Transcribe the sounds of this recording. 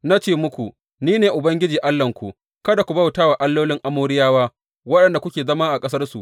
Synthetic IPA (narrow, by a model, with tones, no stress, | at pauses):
na˦t͡ʃeː˦mʊ˦kʷu˨ | niː˦neː˨ʔʊ˨bɐ˦ŋɡʲɪ˦d͡ʒiː˨ʔa˦lːɐ˨ŋkʷu˨ | kɐ˦da˨kʷu˨bɐ˦˨wtaː˦waː˨ʔa˦lːoː˦lɪ˦ŋʔa˦moː˦ɽɪ˦jaː˦waː˦ | wɐ˦ɗɐ˨nda˨kʷʊ˦kʲeː˨zɐ˦maː˦ʔa˨kʼɐ˦sɐ˦rsu˨ʔ